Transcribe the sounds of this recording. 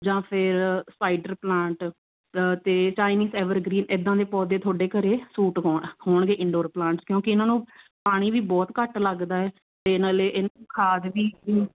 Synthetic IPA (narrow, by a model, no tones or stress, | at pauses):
d͡ʒãːpʰɪɾsaːiɖəɾplãːɳʈ | t̪eːt͡ʃaːɪniːzɛːʋəɾɡɾiːnɪd̪ãːd̪eːpɔːd̪eːt̪ʰoːɖeːkəɾeːsuːʈɦɔːɳhoːɳɡeːʔɪ̃ɳɖoːɾplãːɳʈskjõːkɪɪnãːnũː | paːɽ̃iːʋiːbɔːt̪kəʈləɡd̪aːɛː | t̪enaːleːʔɪnaũːkʰaːd̪ʋiːiː